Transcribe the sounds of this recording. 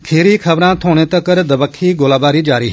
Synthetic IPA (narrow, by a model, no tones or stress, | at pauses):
kʰeːɾiːkʰəbɾãːt̪ʰoːɽ̃eːt̪əkəɾd̪əbəkʰːiːɡoːlaːbaːɾiːd͡ʒaːɾiː